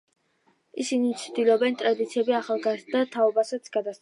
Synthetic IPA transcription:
isinit̪t͡ʃ̪ʰd̪ilˠɔbɛnt̪ʼɾad̪it̪sʰiɛbiaχalˠɡazd̪at̪ʰaɔbasat̪sʰɡad̪as

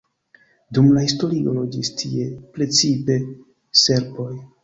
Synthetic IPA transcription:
dumlahisto̞ɾiolod͡ʒistʰḭe̞pɾe̞t͡sipe̞ | se̞ɾbo̞j

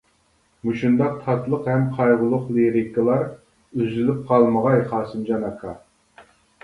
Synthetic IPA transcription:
muʃund̪ɑq̚t̪ʰɑt̪lˠəqhɛmqʰɑjʁʊlˠʊqlˠeɾɪkəlˠɑɾ | yzylɪp̚qʰɑlˠməʁɑjχɑːsɪmd͡ʒɑnɑkʰːɑ

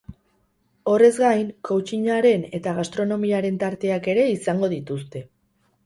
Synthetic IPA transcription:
o̞re̞zɡajŋkowt͡ʃiɲaɾe̞ne̞t̪aɣ̞ast̪ɾo̞no̞miaɾe̞nt̪aɾt̪e̞ake̞ɾe̞isaŋɡo̞ð̞it̪ust̪e̞

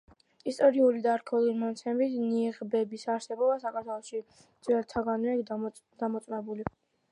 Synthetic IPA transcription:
ist̪ʼɔɾiulid̪aɾkʰɔlˠiɾmɔnat̪sʰɛmbit̪ʰniʁbɛbisaɾsɛbɔbasakʰaɾt̪ʰwɛlˠɔʃi | d̪zʼwɛɾt̪ʰaɡania | d̪̥amɔt̪sʼnɛbuli

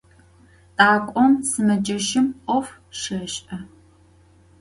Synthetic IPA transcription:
tʼaːkʷʼɔmsɨmɐd͡ʒɐʃɪmʔʷɔf | ʃɐɕʼʔɐ

